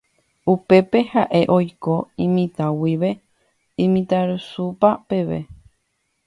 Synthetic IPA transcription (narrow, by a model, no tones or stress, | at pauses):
upe̞pehaʔe̞ʔo̞jkoĩmĩt̪awiʋe̞ | ĩmĩt̪aɾɨsupape̞ʋe̞̰